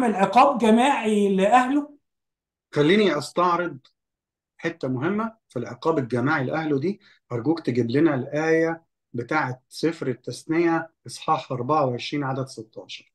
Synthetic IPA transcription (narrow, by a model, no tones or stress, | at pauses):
melʕeqɑːb̚ɡæmaːʕileʔæhlo | xælːiːniʔɑst̪ɑʕɾed̪̚ˤ | ħet̪ːæmʊɦemːæfilʕḛqɑːbelɡæmaːʕilʔæhlod̪iː | ʔɑɾˤɡuːkt̪eɡɪblɪnælʔæːjæ | bet̪aːʕet̪sefɾet̪ːæsnejæʔɨsˤħɑːħʔɑɾˤbɑʕaweʕeʃɾiːnʕad̪æd̪set̪ːɑːʃɑɾˤ